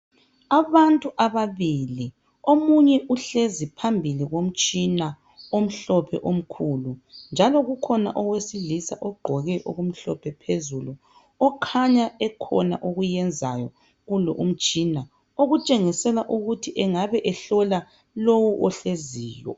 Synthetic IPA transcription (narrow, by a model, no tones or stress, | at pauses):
aβantʼuʔaβaβili | omuɲɛʔuɬezipʰambʱiliɣom̩t͡ʃʼina | om̩ɬɔpʰɛ̰ʔom̩kʰulund͡ʒʱalɔɣukʰɔna̰ʔɔwesilisa̰ʔɔɡ͡ǃʱɔɣɛʔoɣum̩ɬɔ̰pʰɛpʰezulu | ɔkʰaɲaɛkʰɔ̰na̰ʔoɣujɛnd͡zʱa̰jɔ | ɣulɔ̰ʔum̩t͡ʃʼina | oɣut͡ʃʼeŋisɛlaʔuɣutʰiʔɛŋaβɛʔɛɬɔla | lowuʔɔɬeziːjɔ̰